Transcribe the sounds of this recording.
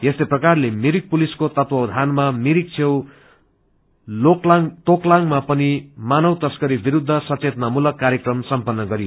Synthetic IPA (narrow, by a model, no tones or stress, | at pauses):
jest̪ʌprʌkarlemiɾik̚puliskot̪ʌt̪wʌwd̪ʱanmamiɾik̚t͡sʰew | loklŋt̪oklaŋmapʌnimanʌwt̪ʌskʌɾibiɾud̪ʱːʌsʌt͡set̪mamulʌkːaɾjekrʌmsʌmpʌnːʌɡʌɾijo